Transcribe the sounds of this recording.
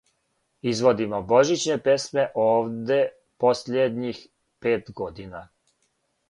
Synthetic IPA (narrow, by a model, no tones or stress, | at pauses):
izʋo̞d̪imobo̞ʒit͡ɕnepe̞sme̞ʔoːʋd̪e̞ | po̞sʎed̪ɲix | peːt̪ɡo̞d̪ina